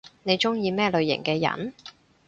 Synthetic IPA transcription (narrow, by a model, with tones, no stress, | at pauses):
ne˨˧jt͡ʃʊ˥ŋjiː˧mɛː˥lɵ˨˧ɥjɪ̰˨˩ŋkɛː˧jɐ̰˨˩n